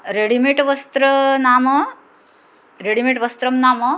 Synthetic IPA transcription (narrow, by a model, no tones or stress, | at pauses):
ɾeɽimiʈʋəst̪ɾənaːmə | ɾeɽimiʈʋəst̪ɾɐmnaːmə